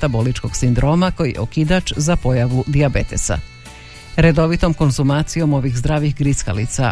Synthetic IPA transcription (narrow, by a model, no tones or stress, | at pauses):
t̪abo̞lit͡ʃko̞ɡ̥sind̪ɾo̞ːmako̞jijḛokid̪at͡ʃzapo̞jaʋud̪iabet̪e̞sa̰ | ɾed̪o̞ʋit̪o̞mko̞nzumaːt̪sijo̞mo̞ʋixzd̪ɾaːʋixɡɾiska̰lḭt̪sa̰